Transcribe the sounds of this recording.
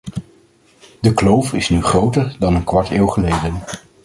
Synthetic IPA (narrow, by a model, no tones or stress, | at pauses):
dəklowfɪsnyχrowtəɹdɑnənkʋɑɹteːwχəlejdən